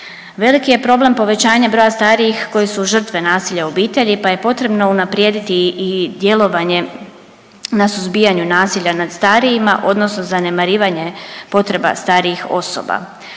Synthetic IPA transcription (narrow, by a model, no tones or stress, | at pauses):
ʋe̞likije̞pɾo̞ble̞mpo̞ʋe̞t͡ɕaːɲabɾo̞ːjast̪aːɾijixko̞jisuʒər̩t̪ʋe̞naːsiʎaobiːt̪e̞ʎipaje̞po̞t̪ɾe̞bno̞unapɾjeːd̪it̪iːd̪je̞lo̞ʋaɲe̞ | nasuzbiːaɲunaːsiʎanad̪st̪aːɾijima̰ʔo̞d̪nosno̞zane̞maɾiːʋaɲe̞po̞t̪ɾe̞ba̰st̪aːɾiixo̞so̰ba̰